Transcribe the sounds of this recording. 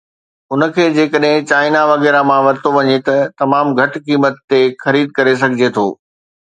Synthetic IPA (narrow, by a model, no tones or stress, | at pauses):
ʊnə̆kʰeːd͡ʑeːkəɗɦɪ̃t͡ɕaːɪnaʋɐɣɛːɾamãʋɐɾt̪oʋɐɲet̪ɐt̪ɐmaːmɡʱɐʈkiːmət̪ːexɐɾiːd̪̚kɐɾes̬ɐɡʱɪd͡ʑet̪ʰo̰ː